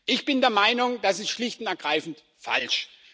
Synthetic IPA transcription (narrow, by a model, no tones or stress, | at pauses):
ʔɪçb̥ɪndeːɐmaɪnʊŋd̥asɪstʃlɪçtʊntɛɐɡʁaɪfn̩t | fa̰lʃ